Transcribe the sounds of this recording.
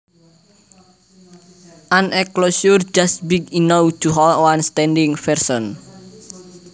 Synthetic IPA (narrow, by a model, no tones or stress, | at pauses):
ʔanʔɛklosurd͡ʒast̪̚bikinowd͡ʒ̥uɦɔlwanst̪ɛndɪŋfɛrsɔn